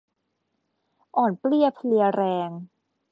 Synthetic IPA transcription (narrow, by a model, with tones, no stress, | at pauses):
ʔɔː˨˩npli˥˩əpʰli˧əɾɛː˧ŋ